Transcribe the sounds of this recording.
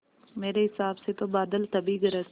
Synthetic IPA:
meːɾeɦɪsaːbset̪obaːd̪əlt̪ɐbiɡəɾə

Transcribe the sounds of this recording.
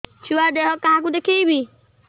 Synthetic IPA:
t͡ʃuwad̪eɦɔkəɦãkud̪ekʰibʱi

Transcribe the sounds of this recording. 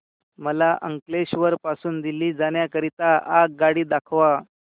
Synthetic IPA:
məlaʔə̰ŋkleɕʋəɾpasuːnd̪iliːd͡zaɳ̃jakəɾit̪aʔaɡaɽiːd̪akʰʋa

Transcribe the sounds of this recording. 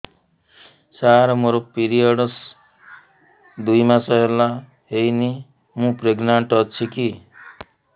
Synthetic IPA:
saɾmoɾopiɾijʌɽʌs | d̪ujmasʌɦela | ɦejni | mũpɾeɡnaɳʈʌt͡ʃʰiki

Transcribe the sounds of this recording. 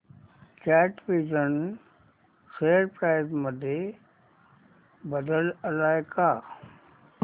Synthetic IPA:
t͡ʃɛːʈʋizən | seːɽpɾaːɪzməd̪ʱe | bəd̪ələlaːjka

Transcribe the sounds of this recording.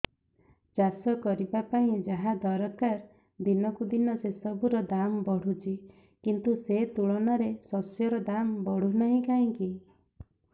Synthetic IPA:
d͡ʒasɔkɔɾibapaĩd͡ʒaɦad̪ɔɾɔkaɾ | d̪inɔkud̪inɔsesɔbuɾɔd̪ambɔɽ̤ut͡ʃi | kint̪uset̪uɭɔnaɾesɔsjɔɾɔd̪ambɔɽ̤unaɦĩkaɦĩki

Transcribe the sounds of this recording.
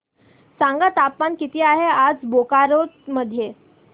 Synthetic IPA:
saŋɡat̪apmankit̪iːaɦead͡zbokaɾotməd̪ʱːje

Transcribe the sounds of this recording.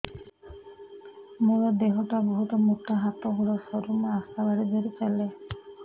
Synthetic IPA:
moɹɔd̪eɦɔʈabɔɦut̪ɔmuʈaɦat̪ɔɦulɔsɔɾumaast̪abaɾibeɾit͡ʃale

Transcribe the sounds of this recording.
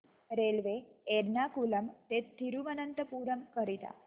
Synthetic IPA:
ɾelʋeeɾnakuləmt̪et̪ʰːiɾuʋənənt̪əpuːɾəmkəɾit̪a̰

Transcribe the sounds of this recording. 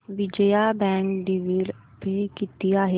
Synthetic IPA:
ʋɪd͡ʒəjabɛ̃ːŋkɖiʋil | pekɪt̪ijaɦɛ

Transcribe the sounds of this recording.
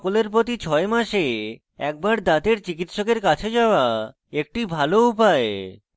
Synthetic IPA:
koleɾpɾot̪it͡ɕʰɔemaʃe | ɛk̚baɾd̪at̪eɾt͡ɕikit̪ʃokeɾkat͡ɕʰed͡ʑaoa | ek̚ʈibʱaloupae

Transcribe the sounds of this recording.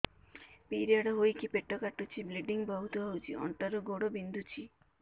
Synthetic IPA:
piɾiaɽaɦojkipeʈːɔkaʈːut͡ʃʰibleɖiŋbaɦut̪uɦawd͡ʒiɔ̰ɳʈaɾoɡoɽobind̪ʱut͡ɕʰi

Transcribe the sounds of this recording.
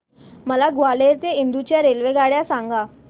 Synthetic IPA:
məlaɡʋaleɾt̪eind̪ut͡ɕjaɾelʋeɡaɽjasãŋɡa

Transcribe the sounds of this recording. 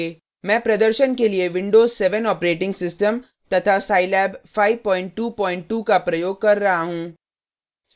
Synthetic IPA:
mɛ̃ːpɾɐd̪əɾʃənkelieʋɪ̃ɳɖoːzsɛʋənɔːpɾeːʈɪ̃ŋɡsɪsʈəm | t̪ɐt̪ʰasaːɪlɛːbfaːɪʋpɔ̃ːɪ̃ɳʈ̚ʈuːpɔ̃ːɪ̃ɳʈʈuːkapɾɐjoːɡ̚kɐɾːɐɦaɦũː

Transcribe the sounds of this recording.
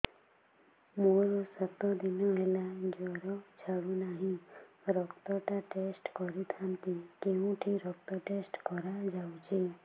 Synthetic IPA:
moɾɔsət̪ɔd̪inɔɦelad͡ʒɔɾɔt͡ʃʰaɽũnaɦĩ | ɾɔkt̪ɔʈaʈesʈkɔɾit̪ʰant̪ikeũʈʰiɾɔk̚t̪ɔʈesʈkɔɾad͡ʒaut͡ʃʰe

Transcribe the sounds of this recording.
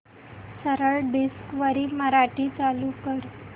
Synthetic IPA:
səɾəɭɖiskʋəɾiːməɾaʈiːt͡salukəɾ

